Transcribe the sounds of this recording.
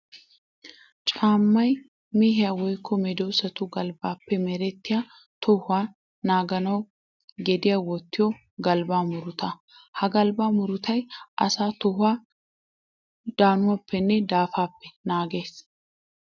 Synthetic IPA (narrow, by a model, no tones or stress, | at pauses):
t͡ʃʼaːmːɐj | miɦɪjawɔjkʰːɔmɛd̪ɔwsɐt̪ʊɡɐlbaːpːɛmɛɾɛt̪ːɪja | t̪ʰɔhʊaː | naːɡɐnɐw | ɡɛd̪ɪjawɔt̪ːɪjɔ | ɡɐlbaːmʊɾʊt̪ɐ | hɐɡɐlbaːmʊɾʊt̪ɐjʔɐ̰saːt̪ɔhʊa | d̪̥aːnʊwapʰːɛnːɛd̪aːfaːpːɛnaːɡe̞ːs